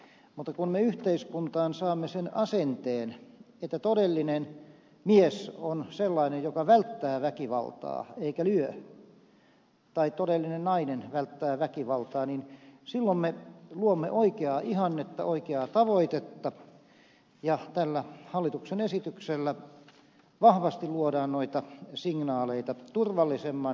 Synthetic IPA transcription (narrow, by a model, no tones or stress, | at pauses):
mut̪ːɑkunmeyht̪eiskunt̪ɑːnsɑːmːesenɑsent̪eːn | et̪ːæt̪odelːinen | miesonselːɑinejjokɑʋælt̪ːæːʋækiʋɑ̰lt̪ɑ̰ːeikælyø | t̪ɑit̪odelːinennɑinenʋælt̪ːæːʋækiʋɑlt̪ɑːninsilːommeluomːeʔoikeɑʔihɑnːet̪ːɑ̰oikeɑt̪ɑʋoit̪et̪ːɑ | jɑt̪ælːæhɑlːit̪uksenesit̪ykselːæ | ʋɑhʋɑst̪iluodɑːnnoit̪ɑsiŋnɑːleit̪ɑt̪urʋɑlːisemːɑn